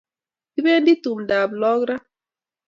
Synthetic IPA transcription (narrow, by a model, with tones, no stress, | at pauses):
ti˦be˦ndi˦tu˨mda˨blɔ˦ɡɾa˦